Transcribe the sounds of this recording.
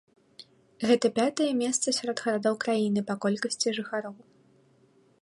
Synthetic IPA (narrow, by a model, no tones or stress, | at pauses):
ɣɛt̪ɐpʲat̪ɐjɛmʲɛst̪sɐsʲaɾɔd̪ɣɐɾad̪ɔwkɾajinɨpɐkɔlʲkɐsʲt͡sʲiʐɨxaɾɔw